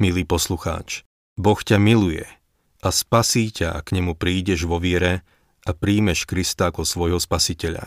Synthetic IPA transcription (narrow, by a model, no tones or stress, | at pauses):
miliːpɔsluxa̰ːt͡ʃ | bɔxcamilujɛ̰ | aspasiːcaa̰kɲɛmupɾiːɟɛʒʋɔʋɪɛɾɛ | apɾiːmɛʃkɾist̪aakɔsʋɔjɦɔspasicɛʎa̰